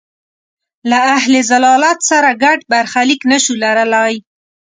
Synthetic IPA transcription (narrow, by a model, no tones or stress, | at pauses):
laaɦlezalɑlat̪saɾaɡaɖbaɾxaliknəʃulaɾəlaj